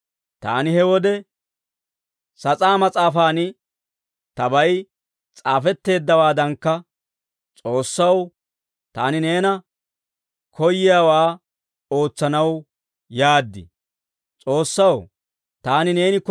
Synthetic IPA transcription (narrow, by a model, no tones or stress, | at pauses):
t̪a̰ːnɪhɛwɔd̪ɛ | sɐt͡sʼaːmɐt͡sʼaːfaːnɪ | t̪ɐbɐjɪ | t͡sʼaːfɛt̪ːe̞ːd̪ːɐwaːd̪ɐŋkːɐ | t͡sʼo̞ːsːɐw | t̪a̰ːnɪne̞ːnɐ | kʰɔjːɪjaːwaː | o̞ːt͡sːɐnɐw | jaːd̪ːɪ̰ | t͡sʼo̞ːsːɐw | t̪aːnɪne̞ːnɪk